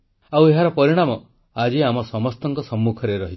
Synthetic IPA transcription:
aweɦaɾɔpɔɾiɽ̃amɔ | ad͡ʒiamɔsɔmɔst̪ɔŋkɔsɔmːukʰɔɾeɾɔɦitʰi̥

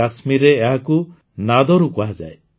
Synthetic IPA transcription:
asmiɾeːɦaku | nad̪ɔɾukɔɦad͡ʒa̰e

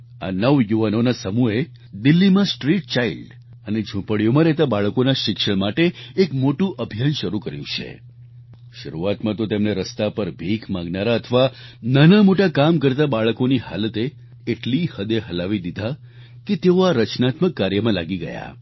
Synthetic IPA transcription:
a̰nəʋjuʋanonasəmue | d̪ɪlːimãsʈɾiʈ̚t͡ʃailɖ | əned͡ʒʱũpəɭijomãɾɛɦt̪abaɭəkonaʃɪkʃəɭmaʈeːkmoʈũʔəbʱijanʃəɾukəɾjũt͡ʃʰḛ | ʃəɾuat̪mãt̪ot̪emneɾəst̪apəɾbʱikʰmãŋɡnaɾaət̪ʰəʋananamoʈakamkəɾt̪abaɭəkoniha̰lət̪eː | ʈlihəd̪eɦəlaʋid̪id̪ʱa | ket̪eoaɾət͡ʃnat̪məkːaɾjəmãlaɡiɡə̰ja̰

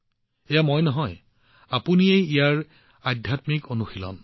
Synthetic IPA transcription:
ejamojnɔɦɔj | apuniejijaɹ | adʱjatmikonuxilɔ̰n

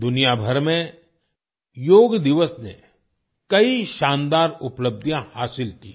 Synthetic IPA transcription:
d̪ʊnijabʱɐɾmẽ | joːɡd̪ɪʋəsnḛ | kɐiʃãːnd̪aːɾʊpləb̚d̪ʱjãhaːsɪlki

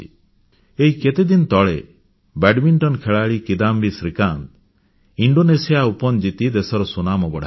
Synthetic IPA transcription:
eɦiket̪ed̪int̪ɔɭe | bɛɖmiɳʈɔnkʰeɭaɭikid̪ambisɾikant̪ | iɳɖonesijaupɔnd͡ʒit̪id̪esɔɾɔsunamɔbɔɽ

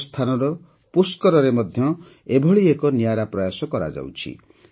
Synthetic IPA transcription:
st̪ʰanɔɾɔ | puskɔɾɔɾemɔd̪ʱjɔ | ebʱɔɭiekɔnijaɾapɾɔjasɔkɔɾa̰d͡ʒa̰wt͡ʃʰḭ

